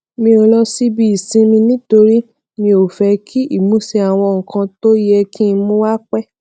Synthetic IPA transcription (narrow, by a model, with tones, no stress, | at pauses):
mĩ˧ɾĩ˧lɔ˧si˦bi˦i˨sĩ˧˦mĩ˧nĩ˦to˧ɾi˦ | mĩ˧o˨fɛ˧kʰi˦ʔi˦˨mũ˨˦se˧a˨w̃ɔ̃˧ŋ̩˨kã˧to˦jɛ˧kʰi˦˧mũ˦wa˦k͡pɛ˦